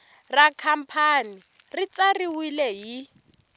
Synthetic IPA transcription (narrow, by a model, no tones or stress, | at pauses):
rakʰam̩pʰani | rit͡sariwilɛɦi